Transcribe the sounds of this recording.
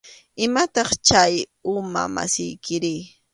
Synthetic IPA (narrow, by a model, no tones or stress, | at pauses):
ɪmat̪ɑχt͡ʃajʊma̰ma̰sɪjkɪɾɪː